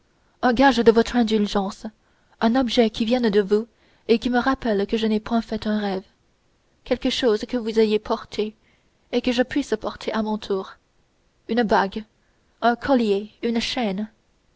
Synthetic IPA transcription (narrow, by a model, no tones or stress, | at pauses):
ɛ̃ɡaʒd̪əvɔt̪χɛ̃d̪ylʒɑ̃s | ɛ̃nɔbʒɛkʲʰivjɛ̃nd̪əvu | ekʲiməʁapɛlkəʒənɛpwɛ̃fɛt̪ɛ̃ʁɛv | kʲɛlkəʃozkəvuzajepʰɔʁt̪ʰe | ekəʒəpɥisəpɔʁt̪ʰeʔamɔ̃t̪ʰuːʁ | ynbaɡ | ɛ̃kʰɔljeynʃɛn